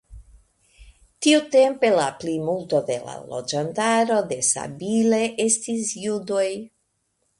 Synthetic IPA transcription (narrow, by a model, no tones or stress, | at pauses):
tiute̞mpe̞laplimulto̞d̪e̞la̰lo̞̰d͡ʒantaɾo̞d̪e̞sa̰bile̞ʔe̞stisjudo̞j